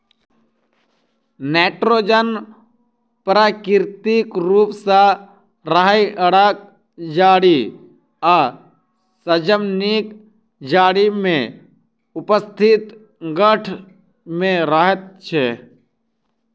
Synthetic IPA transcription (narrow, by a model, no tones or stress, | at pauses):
neːʈɾoːd͡ʒən | pɾaːkɪɾt̪ikɾuːpsa | ɾəɦajəɽak̚ | d͡ʒaːɽi | a | səd͡ʒəmnik | d͡ʒaːɽimẽ | ʊpəst̪ʰɪt̪ | ɡəʈʰ | mẽɾəɦət̪̚t͡ʃʰe